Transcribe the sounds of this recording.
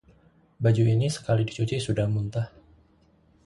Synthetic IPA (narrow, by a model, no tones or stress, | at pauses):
bad͡ʒuinisə̥kalidit͡ʃut͡ʃisudahmunt̪ah